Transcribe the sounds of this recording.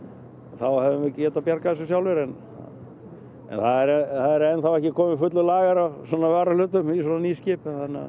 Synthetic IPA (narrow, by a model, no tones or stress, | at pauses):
θawhɛvɪmvɪcɛːt̪apjaɾkaðɛsʏsjawlvɪɾɛn | a | ɛ̰nθaðɛɾɛθaðɛɾɛnθawɛhcɪkʰɔːmɪɪfʏt̪lʏlaːɣaɾasɔːnavaːɾalʏːt̪ʏmis̬ɔːnaniːscɪːp̪θanːa̰